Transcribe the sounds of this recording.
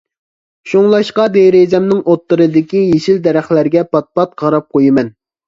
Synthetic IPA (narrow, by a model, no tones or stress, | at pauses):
ʃuŋlˠɑʃqɑd̪eɾezɛmnɪŋʔot̪ːɨɾɨd̪ɪkʲijeʃild̪ɛɾæχlæɾɡʲɛpɑt̪̚pɑt̪̚qʰɑɾɑp̚qʰojɪmɛn